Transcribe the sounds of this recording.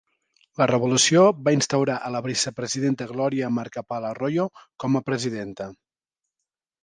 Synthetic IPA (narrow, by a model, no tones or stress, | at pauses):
lərəβ̞ulusioβainst̪əwɾaʔələβisəpɾəziðent̪əɣlɔɾiəmaɾkəpalərojokɔməpɾəziðent̪ə